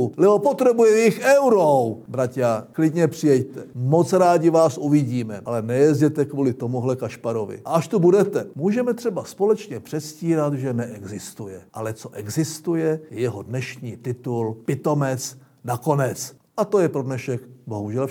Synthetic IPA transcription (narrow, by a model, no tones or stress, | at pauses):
lɛopot̪rɛbujɛɪxɛwɾowbɾacaklɪdɲɛpr̝̥ɪjɛjt̪ɛmo̞t͡sɾaːɟɪvaːsʔuvɪɟiːmɛʔalɛnɛjɛzɟɛt̪ɛkvuːlɪt̪o̞muɦlɛkaʃpaɾo̞vɪ̰ʔaʔaʃt̪ubudɛt̪ɛmuːʒɛmɛt̪r̝̥ɛbaspo̞lɛt͡ʃɲɛpr̝̥ɛt̪sciːɾat̪ʒɛnɛʔɛɡzɪst̪ujɛʔalɛt͡so̞ʔɛɡzɪst̪ujɛjɛjɛɦodnɛʃɲiːt̪ɪt̪ulpɪt̪o̞mɛt͡s | nako̞nɛt͡s | ʔat̪ojɛpɾo̞dnɛʃɛkbo̞ɦuʒɛl